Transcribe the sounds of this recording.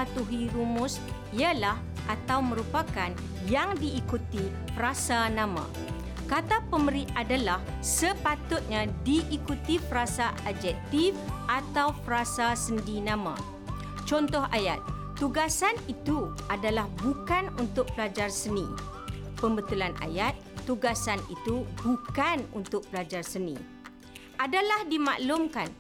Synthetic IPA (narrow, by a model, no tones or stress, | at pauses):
at̪uɦiɾumʊ̃s | ialah | ʔat̪awmə̃ɾupakan | jaŋdiːkut̪i | pəɾasanãmã̰ | kat̪apəməɾiʔadalah | səpat̪ʊt̪̚ɲãdiʔːkut̪ipəɾasaʔad͡ʒɛk̚t̪ifat̪awpəɾasasəndinãmã̰ | t͡ʃɔnt̪ɔɦa̰jat̪̚ː | uɡasanit̪u | adalahbukanunt̪ʊk̚pəlad͡ʒarsənḭ̃ | pəmbət̪ulanʔa̰jat̪̚ːuɡasanḭt̪ubukanṵnt̪ʊk̚pəlad͡ʒarsənḭ̃ | ʔadalahdima̰ʔlʊmkan